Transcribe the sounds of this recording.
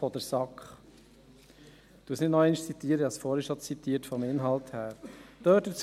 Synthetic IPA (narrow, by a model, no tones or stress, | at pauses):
ɔd̪əɾsɑkχ | d̥uəsnɪdnɔɛɪnɪʃt͡sit̪iːəɾəɑsfɔːɾɪʃɔt͡sit̪iːətfɔmɪnɦɑlthæːɾd̥øːtət͡s